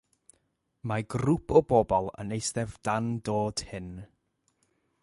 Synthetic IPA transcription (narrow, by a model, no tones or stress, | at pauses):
maɡrupʰɔbɔbɔlˠə̰nejsdɛvd̥andoːd̥hɪn